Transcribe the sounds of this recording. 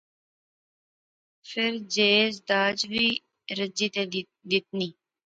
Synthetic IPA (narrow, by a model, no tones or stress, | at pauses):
fʰɪɾd͡ʒeːzd̪aːd͡ʒʋiː | ɾəd͡ʒiːt̪e | d̪ɪt̪̚niː